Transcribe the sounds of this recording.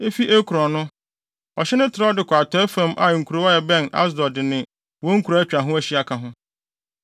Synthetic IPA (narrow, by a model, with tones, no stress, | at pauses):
e˦fi˦ʔe˦kʰu˨ɾɔ̃˨nʊ̃˦ | ɔ˨ɕɛ˦nʊ̃˦tʰɪ˨ɾɔ˦dɪ˨kʰʷa˨tʰɔ˦ɛ˦fã˦mʔa̰˨ŋ̩˨kʰu˨ɾo˦ɔ˦jɛ˨bɛ̃˦˨na̰˦s̬dɔ˨dɪ˨nɪ̃˨ | wɔ̃˦ŋ̩˦kʰu˨ɾa˨˦æ˦t͡ɕᶣɾa˨ɦʊ̃˦æ˦ɕi˦a˨kʰa˨ɦʊ̃˦